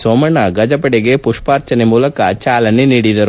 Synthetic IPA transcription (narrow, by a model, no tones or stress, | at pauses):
somɐɳɐɡɐd͡ʒɐpɐɽeɡepuʂpaːɾt͡ʃɐnemuːlɐkɐ̰t͡ʃaːlɐniniːɽid̪ɐɾu